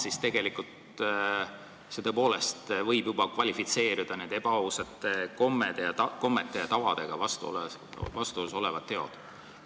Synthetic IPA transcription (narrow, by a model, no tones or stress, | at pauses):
sist̪e̞ɡe̞likˑult̪ | set̪ɤpo̞ːle̞st̪vɤjbjubɑkvɑlʲifit̪se̞ːɾid̪̥ɑned̪̥e̞b̥ɑuset̪ːˑeko̞mːed̪̥ejɑɑko̞mːet̪ːˑejɑt̪ɑvɑd̪̥e̞ɡ̥ɑvɑst̪uo̰lvɑst̪uoso̞le̞vɑt̪ːe̞od̪̥